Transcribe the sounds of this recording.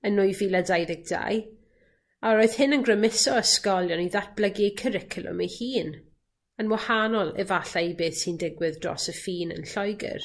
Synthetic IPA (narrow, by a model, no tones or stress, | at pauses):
ənʊɨvilˠadajðɪk̚d̥a̰j | aɾoɨð̥hɪnənɡrəmɪsɔəskɔlˠjɔniðat̚b̥ləɡikʰəɾɪkʰəlˠʊ̰mejhiːn | ənwahanɔlˠɛ̰vaɬaibeːθsindɪɡwɨðdrɔ̰ːsəfiːnə̰nɬɔjɡɪ̰r